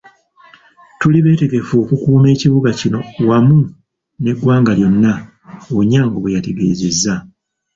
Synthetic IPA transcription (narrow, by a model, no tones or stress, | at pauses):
tuliβe̞ːte̞ɡe̞foːkukuːme̞ːciβuɡacino̞wamu | ne̞ɡwaːŋɡaljo̞nːa | oɲaːŋɡoβujate̞ɡe̞ːzezːa